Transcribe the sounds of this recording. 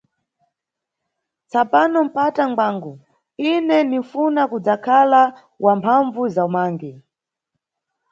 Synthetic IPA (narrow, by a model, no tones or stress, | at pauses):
t͡sapanɔm̩pataŋɡ͡baːŋɡɔ | inɛnifunakud͡zakʰala | wʔampʰaɱvuzaumaːŋɡi